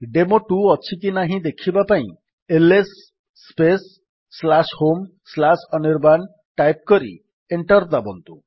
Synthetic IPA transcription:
ɖemoʈuɔt͡ʃʰikinaɦĩd̪ekʰibapaḭ̃ | elesː | pesː | lashomslasɔniɾban | ʈajp̚kɔɾḭ | eɳʈɔɾd̪abɔnt̪u

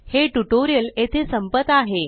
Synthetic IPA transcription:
heʈuʈoɾijəlet̪ʰesəmpət̪aɦe

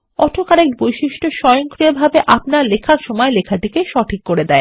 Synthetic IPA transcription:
ɔʈʰokaɾekbojʃiʃʈoʃɔjoŋkɾiobʱabeʔapnaɾlekʰaɾʃɔmɔelekʰaʈikeʃɔʈʰikːoɾed̪ɛe

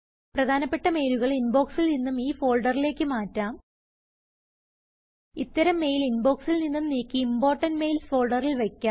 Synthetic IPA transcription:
prɐd̪ʱaːnɐpːe̞ʈːɐme̞jluɣɐɭinbo̞ːksilninːumiːfo̞ːɭɖɐrile̞ːkːɨmaːtːaːm | it̪ːɐɾɐmːe̞ːjilinbo̞ːksilninːumniːkːiimbo̞ːrʈːɐnme̞jlsfo̞ːlɖɐrilʋekʲːaːm

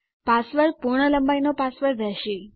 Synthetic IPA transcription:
pasʋəɾpuɾɳələmbajnopasʋəɾɾɛʃe

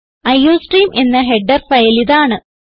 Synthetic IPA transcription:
ɐjːoːsʈriːmʔe̞nːɐɦe̞ɖːɐrfɐjɐliðaːɳɨ

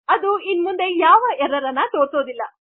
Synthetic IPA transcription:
ɐd̪uinmund̪e̞jaːʋɐɛɾɐɾɐnːɐt̪o̞ːɾso̞ːd̪ilːɐ

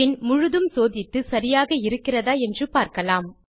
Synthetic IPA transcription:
ɪnmʊɻʊðɯmsoːðɪt̪ːɯsɐɾɪjaːɣɐɪɾɯkːɪrɐðaːɛndrɯpaːɾkɐlaːm

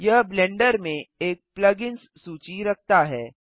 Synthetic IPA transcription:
jɐɦblɛ̃ɳɖəɾmẽeːk̚plɐɡɪnsːuːt͡ʃiɾɐk̚ʰt̪aɦɛː

